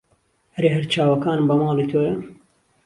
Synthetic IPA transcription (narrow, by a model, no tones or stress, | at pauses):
ɾeːɦɐɾt͡ʃʰaːwɐkaːnmbɐmɑːliːt̪ʰoːɾɐn